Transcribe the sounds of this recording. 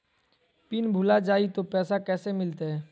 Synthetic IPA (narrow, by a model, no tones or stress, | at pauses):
piːnbʱʊlad͡ʒaːit̪opɛːsakɛːsemɪlt̪eɦɛː